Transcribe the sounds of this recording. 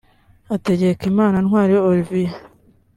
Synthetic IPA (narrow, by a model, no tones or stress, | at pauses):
ate̞ɟe̞kimaːnanŋwaːɾijooɾivija